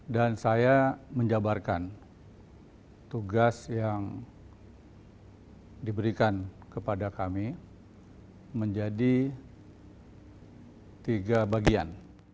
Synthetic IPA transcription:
dansajaməɲd͡ʒabarkan | t̪uɡasjaŋ | dibəɾikankəpadakami | məɲd͡ʒadi | t̪iɡabaɡia̰n

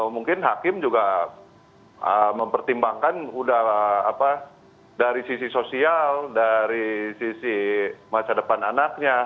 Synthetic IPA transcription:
kamuŋkɪnɦakɪmd͡ʒuɡa | əməmpərt̪imbaŋkanudahapa | daɾisisisosialdaɾisisimasadəpananak̚ɲa

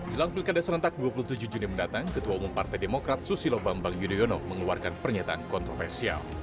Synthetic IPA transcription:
d͡ʒəlaŋpilkadasəɾənt̪ak̚duapuluht̪ud͡ʒud͡ʒuniməndat̪aŋkət̪uaumumpart̪ajdemokɾat̪̚susilobambaŋjudionoməŋluarkanpərɲat̪aʔankɔnt̪ɾɔfɛrsia̰l

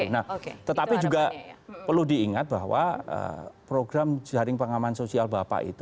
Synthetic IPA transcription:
unaht̪ət̪apid͡ʒuɡapərludiːŋat̪̚baɦwa̰ə̰pɾoɡɾamd͡ʒaɾɪŋpaŋamansosialbapa̰ʔḭt̪u

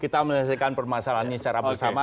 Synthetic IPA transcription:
kit̪aməɲasakanpərmasalanɲist͡ʃaɾabəsama

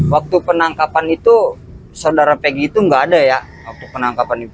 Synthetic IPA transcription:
wak̚t̪upənaŋkapanit̪u | sawdaɾapeɡiːt̪uŋɡaːdaja | wak̚t̪upənaŋkapanit̪u

